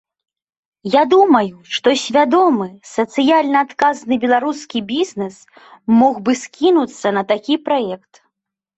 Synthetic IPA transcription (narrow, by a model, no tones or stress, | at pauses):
jad̪umɐjuʂt̪ɔsʲvʲad̪ɔmɨsɐt̪sɨjalʲnɐːt̪kaznɨbʲɛlˠaɾuskʲibʲizʲnɛs | mɔɣbɨskʲinut̪sːɐnɐt̪akʲipɾajɛkt̪